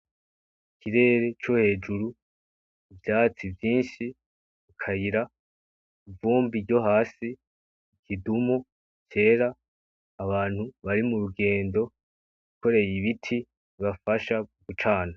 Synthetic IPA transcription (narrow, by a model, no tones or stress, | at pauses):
kʰiɾe̞ːɾe̞t͡ʃo̞he̞ːd͡ʒuɾu | ivjaːt͡sivjiːnʃi | ikʰaiɾa | ivuːmbiɾɟo̞ɦaːsi | kidumu | ce̞ːɾaː | βaːn̥huβaɾimuɾuɡe̞ːndo̞ | uko̞ɾe̞jiβitʰi | βafaʃaɡut͡ʃaːna